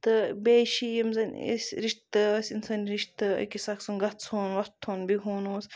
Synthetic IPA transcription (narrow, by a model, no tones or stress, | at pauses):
t̪ɨbeːʃijɐmzɐnʲḛsʲɾiʃt̪ɨsinsaːniɾiʃt̪kisɐksunɡɐt̪soːnʋɐt̪ʰːoːnbiɦoːnoːs